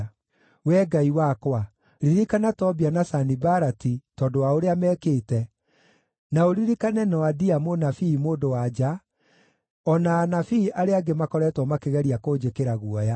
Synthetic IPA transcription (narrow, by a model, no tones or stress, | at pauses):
wɛɡaiwakwa | ɾiɾikanatɔbianasanibaɾatitɔdowaoɾeamɛːkeːtɛ | naoɾiɾikanɛnɔwadiamonafimoːdowad͡ʒa | ɔnaːnafiʔaɾeaɡemakɔɾɛtwɔmakeɣɛɾiakoːd͡ʒekeɾaɣuɔja